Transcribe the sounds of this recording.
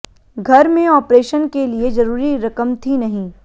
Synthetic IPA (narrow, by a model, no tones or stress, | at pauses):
ɡʱɐɾmẽɔːpɾeːʃənkeliezɐɾuːɾiɾɐkəmt̪ʰinɐɦĩː